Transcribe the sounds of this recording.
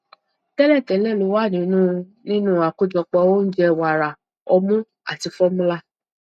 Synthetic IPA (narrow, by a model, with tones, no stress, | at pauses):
tɛ˦lɛ˦˨tɛ˨˦lɛ˦˨lu˨˦wa˦˨nĩ˨˦nũ˦˧nĩ˦nũ˦˨a˨ku˦d͡ʒɔ˧k͡pɔ˧o˦n̩˦d͡ʒɛ˧wa˨ɾa˨ | ɔ˧mũ˦ | a̰˦˨ti˨˧˦fɔ˦mũ˦la˧